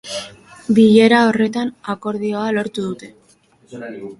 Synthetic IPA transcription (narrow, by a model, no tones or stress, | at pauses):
biʎe̞ɾao̞re̞t̪anako̞ɾðio̞alo̞ɾt̪uðut̪e̞